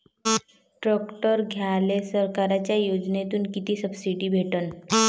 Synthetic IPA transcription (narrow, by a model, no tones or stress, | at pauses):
ʈɾɔkʈəɾɡʱjalesəɾkaɾat͡ɕjajod͡ʑnet̪uːnkit̪iːsəbsiʈiːbʱeʈən